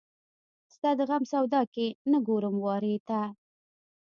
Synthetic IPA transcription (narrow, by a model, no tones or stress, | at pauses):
st̪ɑd̪əɣamsawd̪ɑkenaɡoɾəmwɑɾet̪a